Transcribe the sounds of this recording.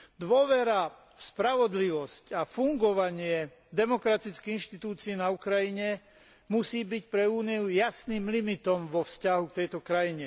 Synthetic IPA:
d̪ʋɔʋɛɾa | fspɾaʋɔd̪liʋɔscafuŋɡɔʋaɲɪɛ | d̪ɛmɔkɾat̪it͡skɛinʃt̪it̪uːt͡siɛnaukɾajiɲɛ | musiːbicpɾɛuːniujasniːmlimit̪ɔmʋɔfscaɦukt̪ɛjt̪ɔkɾajiɲɛ

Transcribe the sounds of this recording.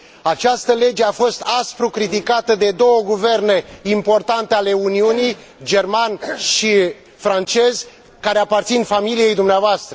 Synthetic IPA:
at͡ʃast̪əle̞d͡ʒe̞afo̞st̪aspɾukɾit̪ikat̪əd̪e̞d̪o̞wəɡuve̞rne̞impo̞rt̪ant̪eale̞uniunij | d͡ʒe̞rmanʃi | fɾant͡ʃe̞zʲ | kaɾe̞apart̪sinfamilije̞jd̪umneavoast̪ɾə

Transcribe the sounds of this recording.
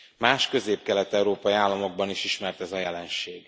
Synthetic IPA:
maːʃkø̞zeːpkɛlɛt̪ɛuɾoːpɒjiaːlːɒmo̞ɡ̚bɒniʃiʃmɛrt̪ɛzɒjɛlɛnʃeːɡ̥

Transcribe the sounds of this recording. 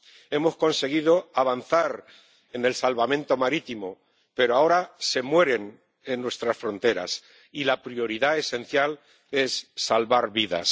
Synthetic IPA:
e̞mo̞sko̞nse̞ɣ̞iðoaβ̞anθaɾ | e̞ne̞lsalβamẽ̞nt̪o̞maɾit̪imo | pe̞ɾoao̞ɾase̞mwe̞ɾe̞n | e̞nːwe̞st̪ɾasfɾo̞nt̪e̞ɾa̰s | ilapɾio̞ɾiðae̞se̞n̟θjal | e̞sːalβaɾβiða̰s

